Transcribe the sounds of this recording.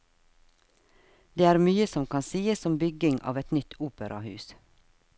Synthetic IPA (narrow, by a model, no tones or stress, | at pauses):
d̪̥eːæːɾmyːəsɔmkʰɑnsiːəssɔmbʏɡɪŋʔɑ̰ːʋɛt̪nʏt̪ʰuːpəɾʔɑ̰hʉ̰ːs